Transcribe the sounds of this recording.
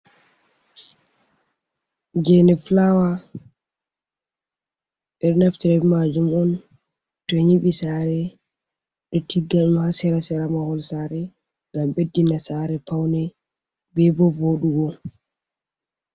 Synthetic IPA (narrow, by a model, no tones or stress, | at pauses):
d͡ʒɛnɛflawa | ɓɛɗnaftiɾɛmad͡ʒumɔn | tɔɲiɓisaːɾɛ | ɗɔtiɡːaumhasɛɾasɛɾamahɔlsaɾɛ | ŋɡamɓedːinasaɾɛpawnɛ | bɛbɔvoɗuɡɔ